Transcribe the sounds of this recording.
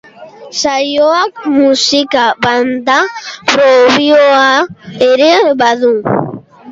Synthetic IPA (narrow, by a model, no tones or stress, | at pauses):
sajoakmusikaband̪apɾoβioaeɾeβaðu